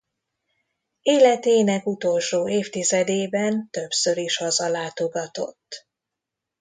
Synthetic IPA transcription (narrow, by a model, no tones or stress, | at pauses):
eːlɛt̪eːnɛkut̪o̞lʃoːeːft̪izɛd̪eːbɛnt̪ø̞psø̞ɾiʃhɒzɒlaːt̪o̞ɡɒt̪o̞̰t̪ː